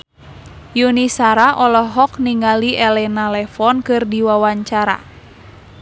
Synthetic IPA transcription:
junisaɾaʔɔlɔɦɔk̚niŋɡaliʔɛlɛnalɛfɔnkɨrdiwawaɲt͡ʃaɾa̰

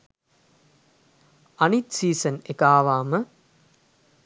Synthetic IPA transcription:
ɐnit̪siːsɐnekaːʋaːmə

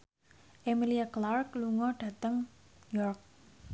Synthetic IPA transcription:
ʔemiliaklark̚luŋɔɖ̥ä̤t̪əŋjɔrk̚

